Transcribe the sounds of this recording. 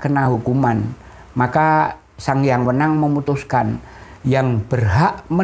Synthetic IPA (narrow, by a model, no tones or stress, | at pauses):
kənaɦukuman | maka | saŋjaŋwənaŋməmut̪uskanjaŋb̥ərɦaʔmə